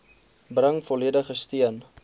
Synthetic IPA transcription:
brəŋfɔliədəχəstiən

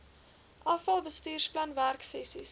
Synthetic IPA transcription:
ʔɐfɐlˠbəstyːrsplɐnværksɛsis

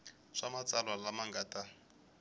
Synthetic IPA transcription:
ʂamat͡sʼalwalamaŋɡaːtʼa

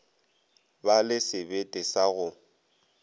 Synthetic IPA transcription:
balɪsɪbetʼɪsaɣʊ

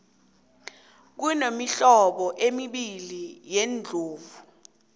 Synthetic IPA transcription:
k̬unomiɬɔɓɔʔemiɓilijend͡ɮʱoːvu

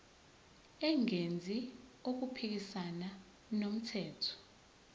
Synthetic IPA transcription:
ɛŋend͡zʱiok̬upʰik̬isana | nom̩tʰɛːtʰɔ̥

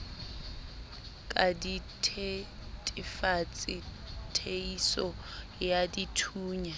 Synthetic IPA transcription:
kʼaditʰetʼɪfat͡sʼɪ | tʰeisɔ | jaditʰuːɲa

